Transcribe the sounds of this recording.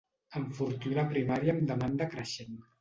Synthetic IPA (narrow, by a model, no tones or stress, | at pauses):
əɱfuɾt̪ynapɾimaɾjaːmd̪əmand̪əkɾəʃen